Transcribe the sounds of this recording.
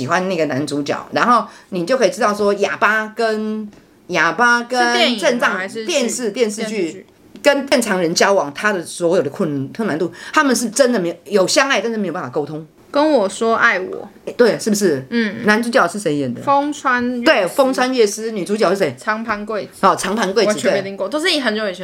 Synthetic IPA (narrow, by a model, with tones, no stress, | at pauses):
ɕi˨˩xwa˦nna˥˩ɡə˩na˧˦˥nt͡su˧˦˥t͡ɕjɑ̰˨˩˦ʊɻa˧˥nxo˥˩ʊni˨˩t͡ɕjo˥˩ʊkʰə˧˥i˨˩ʈ͡ʂɻ̩˥t̪ɑ˥˩ʊʂ̬wɔ˥ja˨˩pa˥kə˦˥n | ja˨˩pa˥kə˦n˧ʈ͡ʂə˥˧nt͡sɑ˥˨ŋ˧t̪jɛ˥˧nʂɻ̩˥˧t̪jɛ˥˧nʂ̬̩˥˧t͡ɕy˥˩ | kə˦nt̪jɛ˥˩nʈ͡ʂʰɑ˧˥ŋɻə˧˦nt͡ɕjɑ˥ʊwɑ˨˦ŋt̪ʰa˥d̪ə˨swɔ˧˥jo˨˩ʊd̪ə˦kʰʊ˥˩nk̪ʰə˥˩na˧˦nt̪u˥˩t̪ʰa˥mə˨nʂɻ̩˥˩ʈ͡ʂə˦˥nd̪ə˨me˧˥jjo˨˩ʊɕjɑ˥ŋa˥˩ɪa˥˧˥jo˨˩pa˥˩fa˨˩ko˥ʊt̪ʰʊ˥ŋ | kə˦nwɔ˨˩swɔ˥ʔa˥˩ɪwɔ̰˨˩˦ɛ˧t̪we˥˩ɪʂɻ̩˥˩bu˩ʂɻ̩˥˩˥na˧˦nt͡su˧˥t͡ɕjɑ˨˩ʊʂɻ̩˥˩ʂe˧˥ɪjɛ̰˨˩nd̪ə̰˦o˥ŋt͡sʰwa˦nt̪we˥˩ɪfo˥ŋt͡sʰwa˥njɛ˥˩sɹ̩˥ny˨˩t͡su˧˥t͡ɕɑ˨ʊʂɻ̩˥˩e˧˥ɪɑ˧˥ŋpʰa˧˥nkwe˥˩ɪɔ˨˩t͡sʰɑ˧˥ŋpʰa˧˥nkw̩˥˩˨t̪ʰwe˩˨˥i˧ŋko˥˧˨t̪o˥ʊʂ̩˥˩i˧˥ɦə˧˦nt͡ɕo˨˧˦